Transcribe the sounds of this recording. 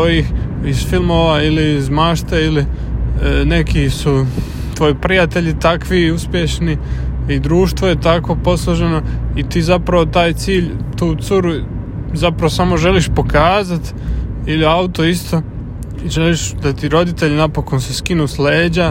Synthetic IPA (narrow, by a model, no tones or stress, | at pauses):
t̪ojix | iz̥filˠmoːʋailiːzmaːʃt̪eili | ne̞kisu | t̪ʋo̞jipɾijat̪e̞ʎit̪akʋiuspje̞ʃniid̪ɾuːʃt̪ʋo̞je̞t̪ako̞po̞slˠoʒe̞no̞it̪iːzapɾaʋo̞t̪aːjt̪siːʎt̪uːt̪suɾu | zapɾaʋosamo̞ʒe̞liʃpo̞kaːzat̪ | iliaut̪o̞ist̪o̞ | iʒeliʃd̪at̪iɾo̞d̪it̪e̞ʎinapo̞ko̞nseskinuːsleːd͡ʑa